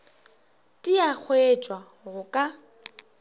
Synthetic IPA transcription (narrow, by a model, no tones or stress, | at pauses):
tʼiak͡xʰwet͡ʃʼwa | ɣʊkʼa